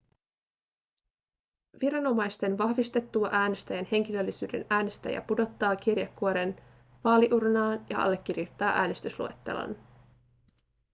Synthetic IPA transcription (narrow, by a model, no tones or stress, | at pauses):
ʋiɾɑno̞mɑjst̪e̞nʋɑhʋist̪e̞t̪ːuɑʔæːne̞st̪æjænhe̞ŋk̟ilø̞lːisy̰ːde̞̰næːne̞st̪æ̰jɑ̰pudo̞t̪ːɑːkirjɑkːuoɾe̞n | ʋɑːliʔurnɑːnjɑ̰ʔɑ̰lːe̞kːirjut̪ːɑːʔæːnest̪yslṵḛt̪ːe̞̰lɑ̰n